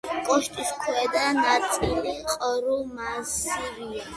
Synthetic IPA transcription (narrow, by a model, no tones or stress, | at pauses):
kʼɔʃt̪ʼiskʰwɛd̪anat̪sʼiliqʼɔɾumasiɾia